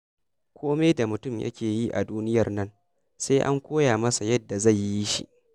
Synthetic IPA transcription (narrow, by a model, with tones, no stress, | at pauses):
kʷoː˦meː˦da˨mʊ˨tʊ˦˨mjʔɐ̰˦kʲʰeː˨ji˦ʔa˨duː˦nɪ˦jɐ˨rnɐ˦n | se˦ʔa̰˦ŋkʷoː˦jaː˨mɐ˦sa˨jɐ˦dːa˨za˦˨jːi˦ji˦ʃḭ˦ʔ